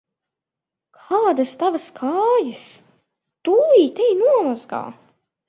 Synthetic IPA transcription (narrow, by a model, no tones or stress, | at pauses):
kʰaːd̪ast̪avaskʰaːjas | t̪uːiːt̪ɛjnuɔmazɡa̰ː